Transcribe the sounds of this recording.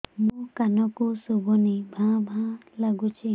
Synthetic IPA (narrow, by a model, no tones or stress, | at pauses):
mũkanɔkusubʱunibʱãbʱãlaɡut͡ʃʰi